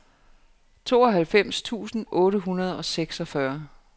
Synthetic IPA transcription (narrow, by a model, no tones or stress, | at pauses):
t͡sʰo̝̰ːɒ̽ɦælfem̰st͡sʰṵːsn̩ʔɔ̽ːɾəɦunɐð̞ˠɒ̽seɡ̥sɒfɶɐ